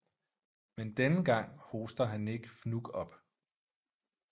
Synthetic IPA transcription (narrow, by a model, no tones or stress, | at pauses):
mend̥enəɡ̥ɑ̈ŋ̰ho̝ːsd̥ɐɦæne̝ɡ̥əfnuɡ̥ɒ̽b̥